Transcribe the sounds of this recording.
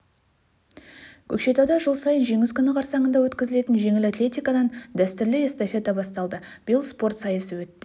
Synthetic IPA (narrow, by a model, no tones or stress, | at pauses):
kʲʰɵkʃe̞t̪ɑwd̪ɑʒʊlˠsɑjənʒe̞ŋɪskʲʏnɪqʰɑɾsɑɴənd̪ɑwɵt̪kʲɪzɪle̞t̪ɪnʒe̞ŋɪlat̪lʲe̞t̪ʲijkɑd̪ɑnd̪æst̪ʏɾlɪest̪ofe̞t̪ɑbɑst̪ɑlˠd̪əb̥ɪjəlˠspo̞rt̪sɑjəsəwɵt̪ːɪ